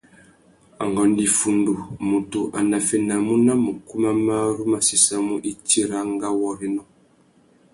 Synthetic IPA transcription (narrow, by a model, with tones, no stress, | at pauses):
a̰˨ŋɡɔ˨n˦di˨fu˨ndu˨mu˨tu˨ʔa˨na˨fɛ˨na˨mu˦na˦mu˨ku˦ma˦ma˦ɾu˦ma˨si˨sa˦mu˦ʔi˦ti˦ɾa˦ŋ˦ɡa˦wɔ˦ɾi˦nɔ˦˨